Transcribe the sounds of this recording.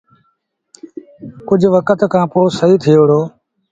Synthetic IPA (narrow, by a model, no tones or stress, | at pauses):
kʊd͡ʒʱʋəkət̪kʰãːpoːsəɦiːt̪ʰɪjoːɽoː